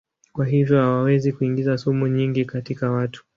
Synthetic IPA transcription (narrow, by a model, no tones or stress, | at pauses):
kwaɦivjɔhawawɛzikuiŋɡizasɔmuɲiŋɡikatikawatu̥